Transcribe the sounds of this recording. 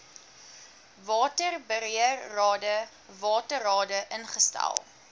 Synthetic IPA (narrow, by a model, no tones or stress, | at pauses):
vɑːtərbəɾiərːɑːdə | vɑːtərɑːdəʔənχəstæ̰lˠ